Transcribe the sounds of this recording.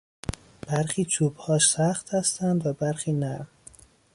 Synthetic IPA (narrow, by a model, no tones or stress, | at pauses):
b̥æɾxiːt͡ʃʰuːbhɒːʃsæxt̪hæst̪ænd̪væbæɾxiːnæɾm